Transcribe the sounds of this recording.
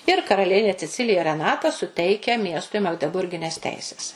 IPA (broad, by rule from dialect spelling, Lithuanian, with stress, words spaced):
ɪr kɐrɐˈlʲiɛnʲeː t͡sʲɛˈt͡sʲɪlʲɪjɛ rʲɛˈnɑːtɐ sʊˈtʲɛɪkʲɛ ˈmʲiɛstʊɪ mɐɡdʲɛˈbʊrʲɡʲɪnʲɛs ˈtʲɛɪsʲɛs